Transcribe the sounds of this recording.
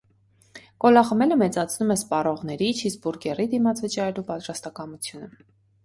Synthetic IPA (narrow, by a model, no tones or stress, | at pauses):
kɔlɑχəmɛləmɛt͡sɑt͡sʰnumɛspɑrɔʁn̪ɛɾit͡ʃʰisbuɾɡɛrid̪imɑt͡sʰvət͡ʃɑɾɛlupɑt̪rɑst̪ɑkɑmut͡sʰjunə